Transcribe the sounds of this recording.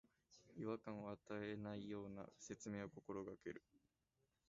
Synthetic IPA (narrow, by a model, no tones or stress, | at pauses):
iβakãɰ̃oat̪aenaijo̞ːna̰se̞t͡sɨme̞ːoko̞ko̞ɾo̞ɡake̞̰ɾɯ̟